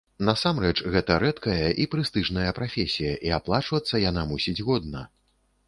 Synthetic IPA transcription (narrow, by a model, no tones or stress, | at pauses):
nɐsamrɛt͡ʂɣɛt̪ɐɾɛt̪kɐjɐʔipɾɨst̪ɨʐnɐjɐpɾafʲesʲijɐʔiaplˠat͡ʂvɐt̪sːɐjanamusʲid͡zʲɣɔd̪̚nɐ̰